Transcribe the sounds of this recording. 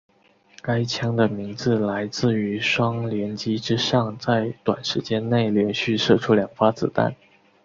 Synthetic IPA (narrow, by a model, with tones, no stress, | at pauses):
ka˥ɪt͡ɕʰjɑ˥ŋd̪ə˨mi˧˥ŋt͡sɹ̩˧la˧˥ɪt͡sɹ̩˥˩y˧˥ʂwɑ˥ŋljɛ˧˥nt͡ɕi˥ʈ͡ʂɻ̩˥ʂɑ˥˧ŋt͡sa˥˩ɪt̪wa̰˨˩nʂɻ̩˧˥t͡ɕjɛ˥nne˥˩ɪljɛ˧˥nɕy˥˧ʂɤ˥˧˩ʈ͡ʂʰu˥ljɑ˨˩ŋfa˥t͡sɹ̩˨˩t̪a̰˥˩n